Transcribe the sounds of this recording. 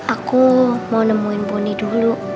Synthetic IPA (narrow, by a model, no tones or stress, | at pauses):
akumawnəmuinbɔnidulu